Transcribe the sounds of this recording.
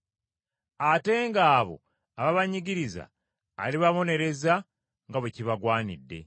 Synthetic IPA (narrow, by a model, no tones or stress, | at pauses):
ate̞ŋɡaːβo̞̰ | aβaβaɲiɟiɾiza̰ | a̰liβaβo̞ne̞ɾe̞za | ŋɡaβeciβaɡwaːnḭdːe̞̰